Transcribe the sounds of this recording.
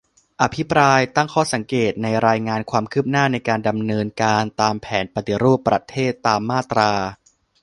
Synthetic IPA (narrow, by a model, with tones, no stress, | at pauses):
ʔa˨˩pʰi˦˥pɾaː˧jt̪a˥˩ŋkʰɔː˥˩sa˩˦ŋkeː˨˩t̪̚na˧jɾaː˧jŋaː˧nkʰwaː˧mkʰɯː˥˩p̚naː˥˩na˧jkaː˧nda˧mnɤː˧nkaː˧nt̪aː˧mpʰɛː˩˦npɾa˧t̪i˧˩ɾuː˥˩pːɾa˧t̪ʰeː˥˩t̪ːaː˧mːaː˥˩t̪ɾaː˧